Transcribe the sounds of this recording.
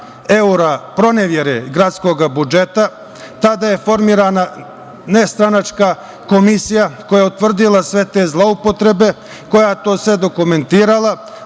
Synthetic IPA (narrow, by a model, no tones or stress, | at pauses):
e̞uɾapɾo̞neʋjeɾeɡɾat̪sko̞ɡabud͡ʒe̞t̪a | t̪ad̪aje̞fo̞ɾmiːɾana | nest̪ɾanat͡ʃka | ko̞misijakojaut̪ʋr̩d̪ilˠasʋe̞t̪ezlˠaupo̞t̪ɾe̞be̞ | ko̞jat̪o̞ːsʋe̞d̪o̞kume̞nt̪iːɾala